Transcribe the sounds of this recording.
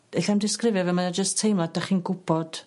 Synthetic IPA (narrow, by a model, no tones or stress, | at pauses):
eɬamdɪskrɪvjɔvɛmanad͡ʒəstʰejmlˠad̥aχiːnɡʊb̥ɔd̥